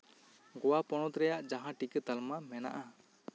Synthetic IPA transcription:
ɡɔwapɔɽ̃ɔt̪ɾɛjaʔd͡ʒaɦãʈikət̪almamɛna̰ʔa

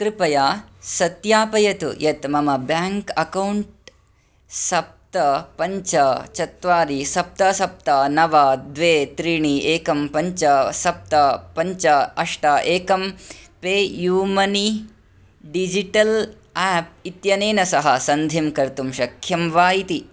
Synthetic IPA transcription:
kɾɪpɐjaːsɐt̪jaːpɐjɐt̪ṵjʔɐt̪mɐmɐbjaːŋkɐkɐwɳʈ | sɐp̚t̪ɐpɐɲt͡ʃɐt͡ʃɐt̪ʋaːɾisɐp̚t̪ɐsɐp̚t̪ɐnɐʋɐd̪ʋeːt̪ɾiɳieːkɐmpɐɲt͡ʃɐsɐp̚t̪ɐpɐɲt͡ʃɐɐʂʈɐʔeːkɐmpeːjuːmɐni | ɖid͡ʒiʈɐl | aːp̚it̪jɐneːnɐsɐɦɐsɐnd̪ʱimkɐɾt̪umʃɐkʰjɐmʋaːjit̪i

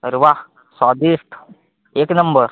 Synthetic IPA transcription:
ɾʋa | sɔːd̪iʂt̪ʰ | eːknɐmbəɾ

